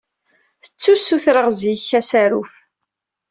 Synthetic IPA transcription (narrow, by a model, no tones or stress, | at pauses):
θət͡sːusuθɾəʁziçæsæɾuf